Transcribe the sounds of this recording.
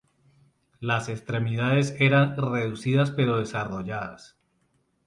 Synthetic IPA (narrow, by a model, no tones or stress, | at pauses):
lase̞kst̪ɾe̞miðaðe̞se̞ɾanre̞ðusiðaspe̞ɾo̞ð̞e̞saro̞ʝaða̰s